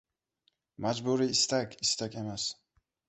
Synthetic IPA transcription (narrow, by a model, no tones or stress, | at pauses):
mad͡ʒbuɾiːst̪akʲʰist̪ʰakʲemas